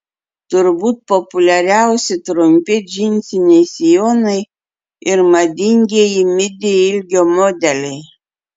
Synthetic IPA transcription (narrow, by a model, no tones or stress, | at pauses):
t̪ʊɾbuːt̪̚pɔpʊlʲɛɾʲæʊsʲɪt̪ɾʊmʲpʲɪd͡ʒʲɪnʲsʲɪnʲɛɪsʲɪjoːnɐɪ | ɪɾmɐd̪ʲɪŋʲɡʲeːjimʲɪd̪ʲɪɪlʲɡʲoːmoːd̪ʲɛlʲɛɪ